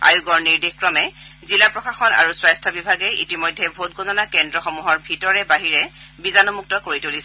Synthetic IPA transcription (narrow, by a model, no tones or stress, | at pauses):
a̰juɡɔɹniɹdixkɹɔmɛ | zilapɹɔkaxɔna̰ɹuswajstʰɔbibʱaɡɛḭtimɔjdʱːɛbʱot̚ɡʱɔnɔnakɛndɹɔxɔmuɦɔɹbʱitɔɹɛbaɦiɹɛbizanɔmuk̚tɔkoɹitolis